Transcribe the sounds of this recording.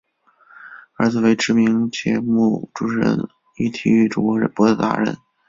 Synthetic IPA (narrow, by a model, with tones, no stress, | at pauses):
ə˞˧˥d͡zɹ̩˨˩we˧˥ɪʈ͡ʂɻ̩˧˥mi˧˥ŋt͡ɕjɛ̰˧˥mu˥˩ʈ͡ʂu˧˥˩ʂɻə̰˧˥n | i˥˩t̪ʰi˧˥y˥˩ʈ͡ʂʊ˨˩ŋkwɔ˧˥ɻə̰˧˥npwɔ˧˥d̪ə˧t̪a̰˧˥ɻə̰˧˥n